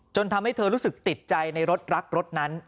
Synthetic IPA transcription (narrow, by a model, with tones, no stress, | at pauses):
t͡ɕo˧nt̪ʰa˧mha˥˩jt̪ʰɤː˧ɾuː˦˥sɯ˨˩k̚t̪i˨˩t̪̚t͡ɕa˧jna˧jɾo˦˥t̪̚ɾa˦˥k̚ɾo˦˥t̪̚na˦˥n